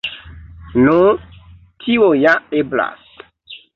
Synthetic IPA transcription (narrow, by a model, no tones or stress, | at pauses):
no | tʰiojaebla̰s